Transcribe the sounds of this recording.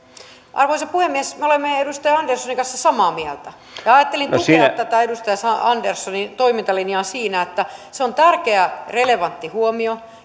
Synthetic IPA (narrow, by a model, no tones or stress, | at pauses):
ʔɑ̰rʋoisɑpuhemːiesmeolemːeedust̪ɑjɑɑndersːoniŋkɑnsːɑsɑmɑːmiælt̪æ | jɑɑjɑt̪ːelint̪ukset̪ːæt̪æedust̪ɑjɑsɑɑndersːonit̪oimint̪ɑlinjɑːsiːnæet̪ːæseont̪ærkeæreleʋɑnt̪ːihuomio